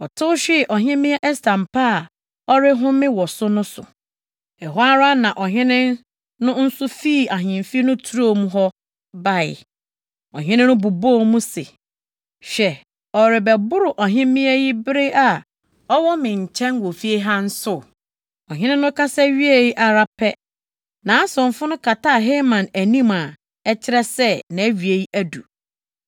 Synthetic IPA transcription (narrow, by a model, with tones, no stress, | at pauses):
ɔ˨tʰʊ˦ɕᶣɪ˦˨ʔɔ˨ɦɪ̃˦mɪ̃˦ɛ˦ʔɛ˦stʰã˨mpʰa˦a˨ | ɔ˦ɾɪ˦ɦʊ̃˦mɪ̃˦wɔ˨sʊ˦nʊ̃˦sʊ˨ | ɛ˨ɦwa˦ɾa˦nã˨ʔɔ˨ɦɪ̃˦nɪ̃˦ | nʊ̃˦n̩˦sʊ˦fiː˦˨a˨ɦɪ̃˨m˨fi˦nʊ̃˦tʰu˦ɾo˦˨mũ˦ɦɔ˦ | ba˦˨ɪ̰˨ | ɔ˨ɦɪ̃˦nɪ̃˦nʊ̃˦bu˨bo˦˨mũ˦se˨ | ɕɛ˨ | ɔ˨ɾɪ˨bɛ˨bʊ˦ɾʊ˨ʔɔ˨ɦɪ̃˦mɪ̃˦æ˦ji˦bɪ˦ɾe˦ʔa˨ | ɔ˦wɔ˦mɪ̃˨ɲ̩˨t͡ɕʰɛ̃˦ŋ˦ɡo˨fi˦e˦ɦã˦n̩˦sʊ˦˨ | ɔ˨ɦɪ̃˦nɪ̃˦nʊ̃˦kʰa˦sɛ˦ɥi˦e˦˨ji˦ʔa˨ɾa˦pʰɛ˦ | nã˨˦sʊ̃˨m˨fʊ˦nʊ̃˦kʰa˨tʰa˦˨ɦe˦mã˨næ˨nĩ˦ma˨ | ɛ˦t͡ɕʰɪ˦ɾɛ˦sɛ˦nã˨æ˦ɥi˨e˨ji˦ʔæ˦du˨